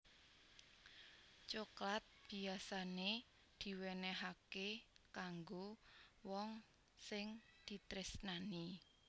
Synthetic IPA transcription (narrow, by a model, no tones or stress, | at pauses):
t͡ʃoklat̪̚b̥i̤asane | d̪̥i̤wenɛɦakekaŋɡowɔŋ | sɪŋd̪̥i̤t̪ɾɪsnani